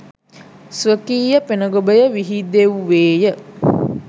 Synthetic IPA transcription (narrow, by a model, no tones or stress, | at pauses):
sʋəkiːjəpenəɡobəjəʋiɦid̪eʋuʋeːjə